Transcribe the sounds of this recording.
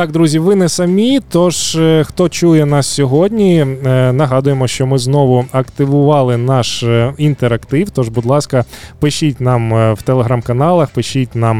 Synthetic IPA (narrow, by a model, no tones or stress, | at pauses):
t̪ɑk̚d̪ɾuzʲiʋɪnɛsɐmʲit̪ɔʒxt̪ɔt͡ʃujɛnɑssʲɔɦɔdʲnʲinɐɦɑd̪ʊjemɔʃt͡ʃɔmɪznɔʋʊɐkt̪ɪʋʊʋɑlˠɪnɑʃint̪eɾɐkt̪ɪwt̪ɔʐbud̪lˠɑskɐpɪʃit̚ʲnɑmwt̪elˠeɦɾɑmkɐnɑlˠɐxpɪʃit̚ʲnɑm